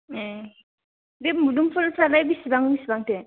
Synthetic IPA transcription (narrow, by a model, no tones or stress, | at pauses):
e | demudumpʰɔlpalajbisibaŋbisibaŋte